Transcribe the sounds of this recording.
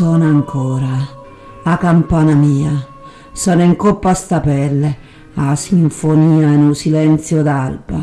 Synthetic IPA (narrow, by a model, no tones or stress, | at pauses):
ɔːnaŋkʰɔːɾa | akampaːnamiːa | sɔːniŋkopːast̪apɛlːɛ | asiɱfoniːainusilɛnt̪sjod̪alba̰